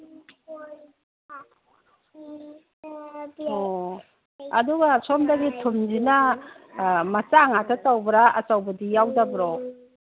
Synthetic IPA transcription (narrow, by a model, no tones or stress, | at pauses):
o | ɐduɡasomdaɡitʰumd͡ʒina | mat͡ʃaŋatʰatawbɾaɐsawbɐdijawdabɾo